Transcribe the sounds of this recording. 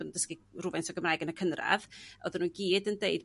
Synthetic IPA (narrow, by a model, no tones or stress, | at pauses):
ənundəskiruvɛnsɔɡəmraɨɡənəkʰənra̰vo̰ðənuːnɡiːdəndeɨd